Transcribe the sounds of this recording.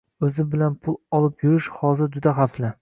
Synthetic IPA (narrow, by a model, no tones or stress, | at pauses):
ɵzɪbɪlanpʰʊlˠɒlˠɪpjʊɾɪʃhɒzɪɾd͡ʒʊd̪aɦaflɪ